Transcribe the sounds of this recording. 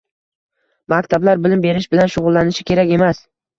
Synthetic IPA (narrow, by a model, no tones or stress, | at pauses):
makʲt̪ʰablaɾbɪlɪmbe̞ɾɪʃbɪlanʃʊʁʊlˠːanɪʃɪkʲʰe̞ɾakʲe̞mas